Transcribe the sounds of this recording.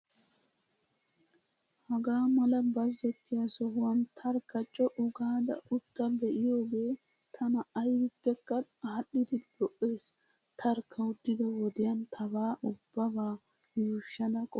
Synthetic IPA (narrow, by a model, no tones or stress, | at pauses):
hɐɡaːmɐlɐbɐzːɔt̪ːɪjɐsɔhʊwɐnt̪ʰɐɾkːɐt͡ʃʼːɔʔʊɡaːd̪ɐ̰ʔʊt̪ːɐbɛʔɪjoːɡeː | t̪ʰɐnɐːjbɪpːɛkːɐhɐɗːɪd̪ɪb̪̥ɔʔːeːs | t̪ʰɐɾkʰːɐʊd̪ːɪd̪ɐwɔd̪ɪjɐnt̪ʰɐbaːʔʊbːɐbaː | juːʃːɐd̪ɐkʼɔ